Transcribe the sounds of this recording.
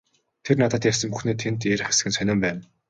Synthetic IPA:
t̪ʰernat̪ə̆t̪jarsə̆mpuxneːt̪ʰːent̪eɾɘ̆χe̥sɘ̥̆ɘ̆nsœnʲʊːmpæːn

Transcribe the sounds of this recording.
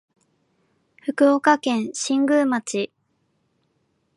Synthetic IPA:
ɸɯ̟kɯ̟okakẽ̞ɰ̃ɕĩŋɡɯ̟mat͡ɕi

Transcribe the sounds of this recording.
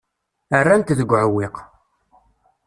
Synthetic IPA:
ərːænt̪ðəɡʷːʕəwːɪq

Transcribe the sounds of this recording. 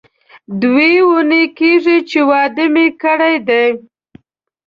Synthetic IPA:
d̪wewunekeʐit͡ʃewɑd̪əmekəɽajd̪ej

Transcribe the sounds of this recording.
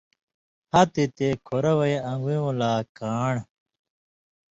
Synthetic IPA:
hɐt̪it̪ekʰoɾɐwɐjɐ̃ŋɡuũlaːkaːɳ

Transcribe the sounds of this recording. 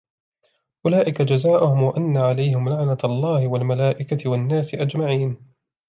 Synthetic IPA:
ʔʊlaːʔɪkad͡ʒazaːʔʊhʊmwaʔanːaʕalajɦɪmlaʕnaɑlˤːɑːhɪwalmalaːʔɪkat̪ɪwanːaːsɪʔad͡ʒmaʕiːn

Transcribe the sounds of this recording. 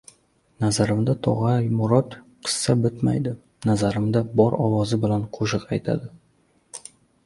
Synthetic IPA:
nazaɾɪmd̪at̪ʰɒ̰ʁɑjmʊɾɒt̪ | qʰɨ̥sːabɪt̪ma̰jd̪ɪ | nazaɾɪmd̪abɒɾɒwɒzɪbɪlanqʰoʃɨqajt̪ʰa̰d̪ɪ

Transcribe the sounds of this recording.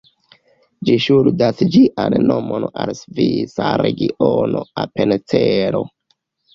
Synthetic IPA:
d͡ʒiʃuɾdasd͡ʒiʔanːo̞monalsvit͡saɾe̞ɡiʔonoape̞net͡seɾo̞

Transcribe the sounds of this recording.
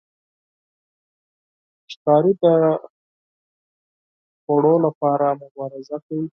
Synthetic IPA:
ʃt̪ɑɾid̪ə | xoɽolapɑɾamʊbɑɾɪzakawi

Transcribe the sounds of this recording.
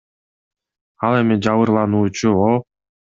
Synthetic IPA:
ɑlˠe̞mid͡ʒɑβɯɾlˠɑnuːt͡ʃuolˠ

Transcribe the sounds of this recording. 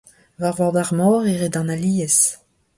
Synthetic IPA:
vaʁwadaʁmɔːʁeʁedɑ̃naliːəs

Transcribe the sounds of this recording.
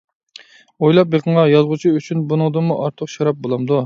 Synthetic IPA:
ojlˠɑp̚jeqʰəŋɑjɑzʁut͡ʃʰiyt͡ʃʰynbunɨŋd̪ɨmuʔɑɾt̪ʰəqʃɑɾɑp̚bolˠɑmd̪u

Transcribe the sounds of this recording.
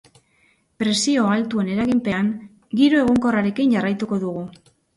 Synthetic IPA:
pɾe̞sio̞alt̪ue̞ne̞ɾaɣimpe̞aŋ | ɡiɾue̞ɣ̞oŋko̞raɾe̞kinʝarajt̪uko̞ðuɣ̞u

